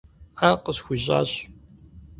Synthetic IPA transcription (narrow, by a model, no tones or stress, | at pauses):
aqəsxʷiʑʼa̰ːɕ